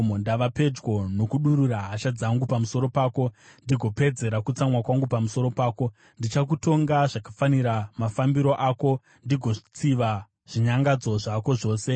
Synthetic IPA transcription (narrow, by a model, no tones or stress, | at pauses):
mondaʋape̞d͡ʒɡwo̞no̞kuɗuɾuraɦaʃad͡zaŋɡupamuso̞ɾo̞paːko̞ndiɡʱo̞pe̞d͡ze̞ɾakut͡samwakwaŋɡupamuso̞ɾo̞paːko̞ | ndit͡ʃak̬uto̞ŋɡaʐakḁfaniɾamafambiɾo̞ʔaːko̞ | ndiɡʱo̞t͡siʋa | ʐ̥iɲaŋɡad͡zo̞ʐako̞ʐo̞ːse̞